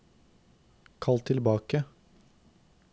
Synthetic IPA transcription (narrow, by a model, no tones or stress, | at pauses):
kʰɑlt̪ʰɪlbɑːkə